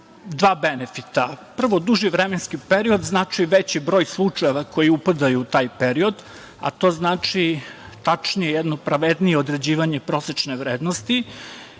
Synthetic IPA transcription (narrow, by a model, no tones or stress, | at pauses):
d̪ʋaːbenefit̪apr̩ʋo̞d̪uʒiʋɾemenskipeɾio̞d̪znaːt͡ʂiʋet͡ɕibɾo̞ːjslˠut͡ʂae̞ʋakʰo̞jiupad̪ajuːt̪aːjpeɾio̞d̪ | a̰t̪o̞ːznaːt͡ʂi | t̪at͡ʂnijejɛd̪no̞pɾaʋed̪nijeod̪ɾe̞d͡ʑiːʋaɲe̞pɾo̞set͡ʂneʋɾeːd̪nost̪i